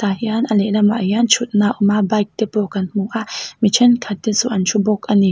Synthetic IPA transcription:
t̪ahjanʔaleʔlama̰ʔjant͡ʃut̪̚naʔumabajk̚t̪epokanmuʔamit͡ʃʰɛnkʰat̪ːesuʔant͡ʃubokani

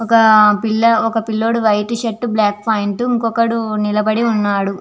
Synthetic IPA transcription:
ɔkɐpilːɐɔkɐpilːoːɽuʋɐjʈuʃeʈːublaːk̚pʰɐːjiɳʈuiŋkɔkɐɽunilɐbɐɽiunːaːɽu

